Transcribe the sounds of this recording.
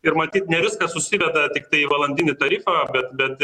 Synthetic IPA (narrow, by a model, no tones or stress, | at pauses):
ɪɾmɐt̪ʲiːt̪nʲɛʋʲɪskɐsʊsʲɪʋʲɛd̪ɐt̪ʲɪkt̪ɐɪʋɐlˠɐnʲd̪ʲɪnʲɪt̪ɐɾʲiːfɐbʲɛt̪bʲɛt̪